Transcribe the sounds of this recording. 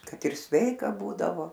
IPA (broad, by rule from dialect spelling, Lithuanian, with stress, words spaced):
ˈkɐt ɪr ˈsʲʋʲɛɪkɐ ˈbuːdɐʋoː